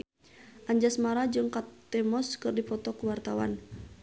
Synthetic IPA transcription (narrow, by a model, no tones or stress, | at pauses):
ʔaɲd͡ʒasmaɾad͡ʒɨŋkat̪ːɛmɔskɨrdipɔt̪ɔkuwart̪awa̰n